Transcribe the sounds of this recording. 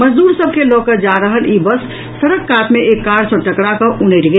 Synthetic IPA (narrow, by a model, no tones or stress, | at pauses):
məd͡ʒd̪uɾsəbʱkelɔkəd͡ʒaɾəɦəlibəsː | əɾəkːat̪meekːaɾsɔ̃ʈəkɽakəʔuneʈɡe